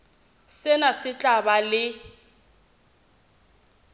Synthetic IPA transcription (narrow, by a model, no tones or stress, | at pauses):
sɪnasɪt͡ɬʼabalɪ